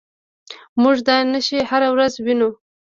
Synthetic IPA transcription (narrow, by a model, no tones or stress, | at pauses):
muʒd̪ɑjnəʃihaɾawɾazwinu